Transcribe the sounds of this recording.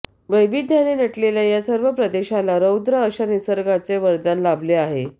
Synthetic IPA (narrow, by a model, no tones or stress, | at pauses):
ʋəjʋid̪ʱjanenəʈlelajasəɾʋəpɾəd̪eɕalaɾəwd̪ɾəːɕanisəɾɡat͡seʋəɾd̪anlableaɦe